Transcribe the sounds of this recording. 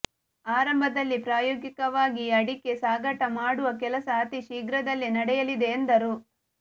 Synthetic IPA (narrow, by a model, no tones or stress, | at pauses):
aːɾɐmbʱɐd̪ɐlːipɾaːjoːɡikɐʋaːɡiɐɽikːe̞saːɡɐʈɐmaːɽuʋɐkɛlɐsɐːt̪iʃiːɡɾɐd̪ɐlːinɐɽɛjɐlid̪e̞ːnd̪ɐɾu